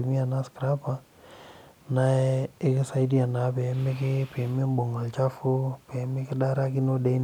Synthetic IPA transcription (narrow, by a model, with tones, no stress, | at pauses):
mi˦a˨na˦skɾa˦pa˦ | na˦ɛ˦ɪ˦kɪ˦sa˦idi˦a˨na˨˦pɛ˨˦mɪ˦kɪ˦pɛ˨mɪ˦m˦bo˨ŋa˨lt͡ʃa˦fʊ˦pɛ˨˦mɪ˦kɪ˦da˦ɾa˦kɪ˦no˦dɛ˦i˦n